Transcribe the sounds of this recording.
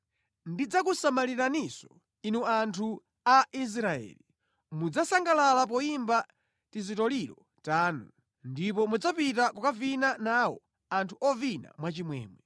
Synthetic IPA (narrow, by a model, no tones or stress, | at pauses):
ndid͡zakusamaliɾanisɔ̥ | inuantʰu | aʔis̬ɾaɛ̰ːli | mud͡zasaŋɡalalap̬ɔimba | tizitɔliɾɔ | taːnu | ndip̬ɔmud͡zapitakɔkavinanawɔ̰ | antʰuɔvina̰mwat͡ʃimwɛ̰ːmwɛ